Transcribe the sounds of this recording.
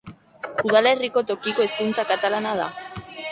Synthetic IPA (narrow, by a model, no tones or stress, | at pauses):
uð̞ale̞riko̞t̪o̞kiko̞eskunt͡sakat̪alanaða̰